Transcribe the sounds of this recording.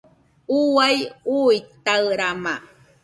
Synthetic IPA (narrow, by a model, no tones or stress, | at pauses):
uwajujt̪aɯɾama